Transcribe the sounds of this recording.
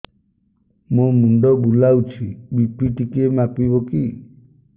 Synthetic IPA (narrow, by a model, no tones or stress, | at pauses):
momunɖɔbulaut͡ʃʰibipiʈikiemapibɔki